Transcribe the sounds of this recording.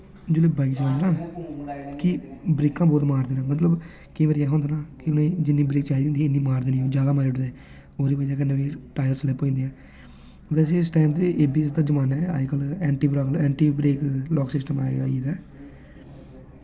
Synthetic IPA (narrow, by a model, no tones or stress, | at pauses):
d͡ʒoːleːbãɪkt͡ʃnd̪eːnãː | kɪbɾeːkãːbɔːt̪maːɾd̪eːnãːmət̪ləb | kĩːʋəːɾiɛːɦõːnd̪eːnãːkɪʊnẽd͡ʒɪnːĩːbɾeːkt͡ʃaːid̪ẽːnd̪ĩɪnːĩːmaːɾd̪eːniõːd͡ʒjaːd̪aːmaːɾʊʈd̪eː | oːɾiːpəd͡ʒaːk̬ɪnːẽːʋiːʈaːjəɾslɛːpːoːĩːnd̪ijãː | ʋɛːseɪsʈaːɪmd̪eːʔeːbiːɛs̬d̪aːd͡ʒəmaːnɛːa̰ːkəlɛːɳʈiːbɾaːklɛːɳʈiːbɾeːklɔːksɪsʈəmaːḛɡaːiːd̪ɛː